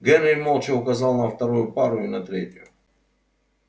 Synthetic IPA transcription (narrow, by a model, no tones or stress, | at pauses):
ɡɛnɾʲɪmolˠt͡ʃɪʊkɐzalˠnɐft̪ɐɾujʊpaɾʊɪnɐt̪ɾʲetʲʊ